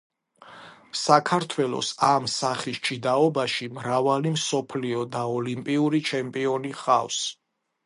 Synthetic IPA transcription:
sakʰaɾt̪ʰwɛlˠɔ̰samsaχist͡ʃʰid̪aɔbaʃimɾavalimsɔpʰliɔd̪aɔlimpʼiuɾit͡ʃʰɛmpʼiɔniχafs

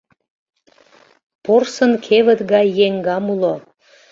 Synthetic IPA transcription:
porsənkʰeβə̆t̪ɣɑjːeŋɡɑmulo

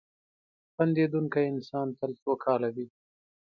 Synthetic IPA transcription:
band̪ed̪uŋkajɪnsɑːnt̪əlt͡sokʰɑlawi

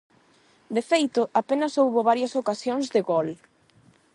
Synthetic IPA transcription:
d̪efejt̪ʊʔapenɐsowβoβaɾjɐsokasjõŋzðɪɣol

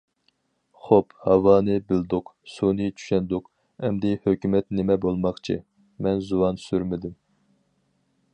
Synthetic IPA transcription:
χophɑwɑːnɨbɪld̪ʊqsunɨt͡ʃʰy̥ʃɛnd̪ʊq | ɛmd̪ɪhøkʲymɛt̪nɪmɛbolˠmɑχt͡ʃʰɨ̰ | mɛnzuwɑnsyɾmɪd̪ɪm

